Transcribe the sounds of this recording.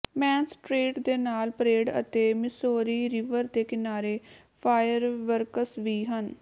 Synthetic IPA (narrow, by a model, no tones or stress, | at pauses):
mɛːnsʈɾeːʈd̪eːnaːlpəɾeːɖə̰t̪eːmɪsoːɾiːɾɪʋəɾd̪eːkɪnaːɾeː | pʰaːjəɾʋəɾkəsʋiːɦən